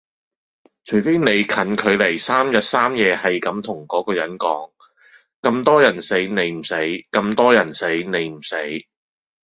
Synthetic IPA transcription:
t͡ʃʰɵ˨˩ɥfe˥jne˨˧jkʰɐ˨˥nkʰɵ˨˧ɥle˨˩jsaː˥mjɐ˨˧t̚saː˥mjɛː˨˧hɐ˨jkɐ˨˥mt̪ʰʊ˨˩ŋkɔː˨˥kɔː˧jɐ˨˥nkɔ̰ː˨˥ŋ | kɐ˧mt̪ɔː˥jɐ˨˩nse˨˥jne˨˧jm̩˨˩se˨˥jkɐ˧mt̪ɔː˥jɐ˨˩nse˨˥jne˨˧jm̩˨˩se˨˥j

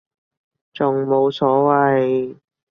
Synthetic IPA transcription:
t͡sʊ˨ŋmo˨˧wsɔː˨˥wɐ˨j

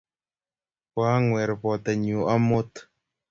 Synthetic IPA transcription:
pwa˨˦ŋwɛ˨ɾpɔ˨t̪a˨ɲu˨a˦mo˦t̪

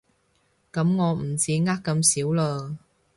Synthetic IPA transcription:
kɐ˨˥mŋɔː˨˧m̩˨˩t͡siː˨˥ŋaː˥kːɐ˧msiː˨˥wləː˧

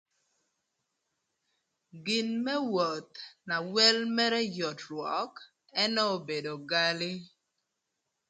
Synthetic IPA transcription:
ɡɪ˨nmɛ˦wɔ˨t̪na˨wɛ˦lmɛ˦ɾɛ˦jɔ˨tɾwɔ˨˦k | ɛ˦nɔ˦o˦be˨do˨ɡa˦lɪ˦

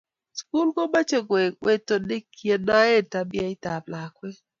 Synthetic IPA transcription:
sku˦lɡo˦ma˦t͡ʃe˦˨ɡwe˨we˦to˨nɪ˦kʰje˨na˦e˦ta˨bɪ˦a˦ɪ˦ta˨bla˨kwe˦

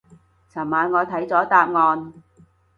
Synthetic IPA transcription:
t͡sʰɐː˨˩nmaː˨˧nŋɔː˨˧t̪ʰɐ˨˥jt͡sɔː˨˥t̪aː˧p̚ŋɔː˧n

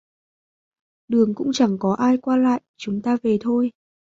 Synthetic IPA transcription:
ɗɨ˨˩əŋkʊ̰˧˥ŋ͡mt͡ɕa˧˩ŋkɔ˨˦ʔaː˧jkwaː˧la̰ː˧˨jt͡ɕʊ˨˦ŋ͡mt̪aː˧ve˨˩t̪ʰo˧j

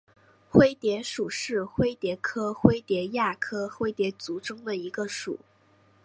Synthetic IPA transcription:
xwe˥ɪt̪jɛ˧˥ʂu˨˩ʂɻ̩˥˩xwe˥ɪt̪jɛ˧˥kʰɤ˥xwe˥ɪt̪jɛ˧˥ja˥˩kʰɤ˥xwe˥ɪt̪jɛ˧˥t͡su˧˥ʈ͡ʂɤ˥ŋd̪ə˨i˧˥ɡə˧ʂṵ˨˩˦

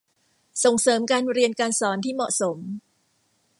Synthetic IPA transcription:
so˨˩ŋsɤː˩˦mkaː˧nɾi˧ənkaː˧nsɔː˩˦nt̪ʰiː˥˩mɔ˨˩ʔso˩˦m

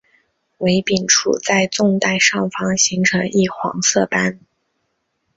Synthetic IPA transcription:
we˧˥ɪpi˨˩nʈ͡ʂʰṵ˨˩t͡sa˥˧ɪt͡sʊ˥˧ŋt̪a˥˧ɪʂɑ˥˩ŋfɑ˥ŋɕi˧˥ŋʈ͡ʂʰɤ˧˥ŋi˥˩xwɑ̰˧˥ŋsɤ˥˩pa˥n

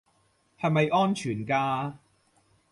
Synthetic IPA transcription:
hɐ˨jmɐ˨jʔɔː˥nt͡ʃʰyː˨˩nkaː˧

